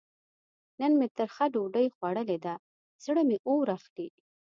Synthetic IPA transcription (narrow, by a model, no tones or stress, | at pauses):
nənmet̪əɾxaɖoɖəjxwaɽəled̪a | z̥ɽəmeʔowɾaxd̪i